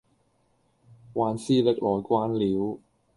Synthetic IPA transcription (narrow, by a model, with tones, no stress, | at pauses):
waː˨˧nsiː˥lɪ˥k̚lɔː˨jkʷaː˥nliː˨˥w